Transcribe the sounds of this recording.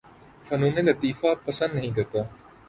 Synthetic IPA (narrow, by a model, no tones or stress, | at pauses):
fɐnũːnẽlɐt̪iːfaːpəsə̃nd̪nɐɦĩːkɐɾt̪aː